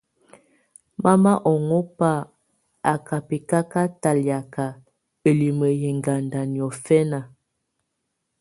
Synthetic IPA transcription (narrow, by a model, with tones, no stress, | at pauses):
ma˦ma˦ʔɔ˨ŋɔ˦pa˦˨ | a˨ka˨pi˨ka˦ka˦ta˨lja˨ka˨ | ə˨li˨mə˨jɛ˨ŋɡa˨nda˨ni˨ɔ˨fɛ˦na˨